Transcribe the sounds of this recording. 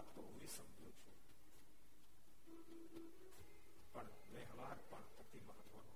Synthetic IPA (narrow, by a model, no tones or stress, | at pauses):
apt̪ouʋisəmd͡ʒũt͡ʃʰu | pəɳ | mẽɦəʋaɾpəɳpət̪iməɦət̪ʋənũ